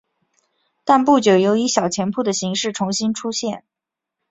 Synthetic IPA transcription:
t̪a˥˧npu˥˩t͡ɕjo˨˩ʊjo˧˥ʊi˧˥ɕjɑ˨˩ʊt͡ɕʰjɛ˧˥npʰu˥˩d̪ə˩ɕi˧˥ŋʂɻ̩˥˩ʈ͡ʂʰʊ˧˥ŋɕi˥nʈ͡ʂʰu˥ɕjɛ˥˩n

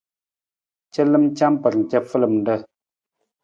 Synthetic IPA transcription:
t͡ʃə˦lɨ˦m˦t͡ʃa˦mpə˨ɾn̩˨kɛ˦fə˦lə˨mn̩˨də˦˨

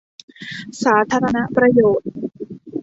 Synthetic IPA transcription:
saː˩˦t̪ʰaː˧ɾa˧na˦˥ʔpɾa˧joː˨˩t̪̚

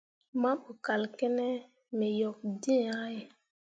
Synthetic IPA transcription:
ma˦ɓu˨ka˨lkɛ˦nɛ˦ | me˨jɔ˨k̚di˦˨a˦j

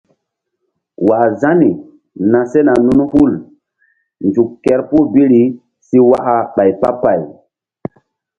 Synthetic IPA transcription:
wa˨za˦ni˨ | na˨se˦na˨nu˦n˦hu˦˨l | nd͡ʒu˨kːɛ˨˦ɾpu˦bi˦ɾi˨˦ | si˦wa˦ʔa˨ɓa˨jpa̰˦pa˨j

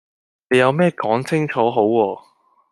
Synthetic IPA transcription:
ne˨˧jɐ˨˧wmɛː˥kɔː˨˥ŋt͡sɪ˥ŋt͡ʃʰɔː˨˥ɦo˨˥wːɔː˧

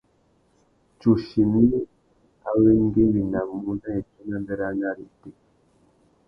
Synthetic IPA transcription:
t͡ʃu˨ʃi˨mi˦ | a̰˦we˦ŋ˦ɡi˦bi˨na˨mu˦na˦e˨tu˦na˦mbɛ˦ɾa˦na˦ɾi˨te˦

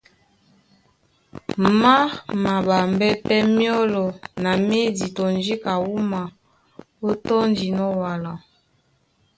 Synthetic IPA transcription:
ma˦ma˨ba˨mbɛ˦pɛ˦mjɔ˦lɔ˨na˨me˦di˨tɔ˨n˦d͡ʒi˦ka˨wu˦ma˨ | o˦tɔ˦nd͡ʒi˨nɔ˦wa˨la˨

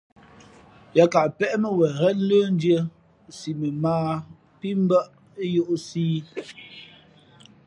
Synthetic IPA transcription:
ja˦ka˨ʔpɛ˦ʔmə˦wɛ˨ɣɛ˦ləː˦n̩˦djə˦ | si˨mə˨maː˦ | pi˦m˦bə˦ʔ | e˦jo˦ʔsiː˦

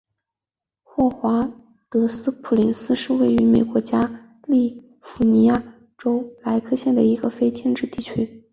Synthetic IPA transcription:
xwɔ˥˩xwa˧˥ | t̪ɤ˧˥sɹ̩˥pʰu˨˩li˧˥nsɹ̩˥ʂɻ̩˥˧we˥˩ɪy˧˥me˨˩ɪkwɔ˧˥t͡ɕja˥ | li˥˩ | fu˧˥ni˧˥ja˥˩ | ʈ͡ʂo˥ʊla˧˥ɪkʰɤ˥˧ɕjɛ˥˩nd̪ə˩i˧˥ɡə˧fe˥ɪt͡ɕjɛ˥˧nʈ͡ʂɻ̩˥˧t̪i˥˩t͡ɕʰy˥

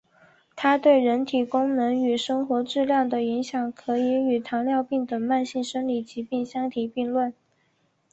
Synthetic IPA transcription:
t̪ʰa˥t̪we˥˩ɪɻə˧˥nt̪ʰi˨˩kʊ˥ŋnɤ˧˥ŋy˨˩ʂɤ˥ŋxwɔ˧˥ʈ͡ʂɻ̩˥˧ljɑ˥˩ŋd̪ə˩i˧˥ŋɕjɑ˨˩˦ŋkʰɤ˧˥i˧˥y˨˩t̪ʰɑ˧˥ŋljɑ˥˧ʊpi˥˩ŋt̪ə˨˩ŋma˥˧nɕi˥˩nʂə˥nli˨˩t͡ɕi˧˥pi˥˩ŋɕjɑ˥ŋt̪ʰi˨˩pi˥˧ŋlwə˥˩n

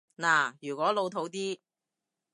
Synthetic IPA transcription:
naː˨˩jyː˨˩kʷɔː˨˥lo˨˧wt̪ʰo˨˥wt̪iː˥

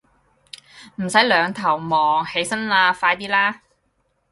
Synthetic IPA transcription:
m̩˨˩sɐ˨˥jlœː˨˧ŋt̪ʰɐ˨˩wmɔː˨˩ŋhe˨˥jsɐ˥nlaː˧faː˧jt̪iː˥laː˥

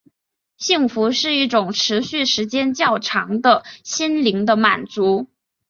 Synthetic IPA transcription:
ɕi˥˩ŋfu˧˥ʂɻ̩˥˧i˥˩ʈ͡ʂʊ˨˩ŋʈ͡ʂʰɻ̩˧˥ɕy˥˩ʂɻ̩˧˥t͡ɕjɛ˥nt͡ɕjɑ˥˩ʊʈ͡ʂʰɑ̰˧˥ŋd̪ə˧ɕi˥nli˧˥ŋd̪ə˧ma˨˩nt͡su˧˥

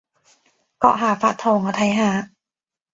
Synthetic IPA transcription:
kɔ̰˧˩ʔɦaː˨˩˦faː˧t̪ʰoː˧ŋɔ˧t̪ʰa˧˦jɦaː˧˩˦

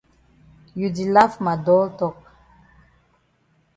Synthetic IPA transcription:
ju˨di˨la˦fma˨dɔ˦ltɔ˦k̚

